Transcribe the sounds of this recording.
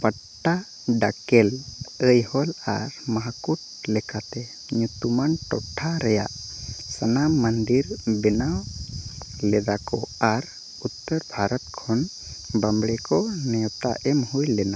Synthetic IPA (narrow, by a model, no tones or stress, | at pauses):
pəʈːa | ɖakɛləjhɔla̰ɾmaɦakuʈ̚ | lɛkat̪ɛ | ɲut̪umanʈɔʈʰːaɾɛja̰ʔ | sənamənd̪iɾbɛnaw | lɛd̪akɔaɾ | ut̪ːəɾbʱaɾɔt̪̚kʰɔn | bambɽɛkɔnɛɔp̚t̪a̰ʔɛmhujlɛna